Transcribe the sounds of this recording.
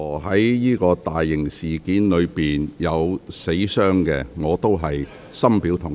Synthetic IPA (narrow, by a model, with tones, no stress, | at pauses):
ɦɐ˨˥jjiː˥kɔː˧t̪aː˨jːɪ˨˩ŋsiː˨kiː˨˥nlɵ˨˧ɥpiː˨njɐ˨˧wse˨˥jsœː˥ŋkɛ̰ː˧ŋɔː˨˧t̪o˥wɦɐ˨j | sɐ˥mpiː˨˥wt̪ʰʊ˨˩ŋ